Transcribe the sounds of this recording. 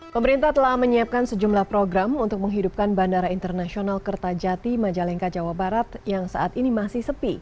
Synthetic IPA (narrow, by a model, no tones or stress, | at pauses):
pəməɾint̪aht̪əlahməɲiap̚kansəd͡ʒumlahpɾoɡɾamunt̪ʊk̚məŋɦidup̚kanbandaɾaint̪ərnasionalkərt̪ad͡ʒat̪imad͡ʒalɛŋkad͡ʒawabaɾat̪jaŋsa̰ʔat̪inimasihsəpi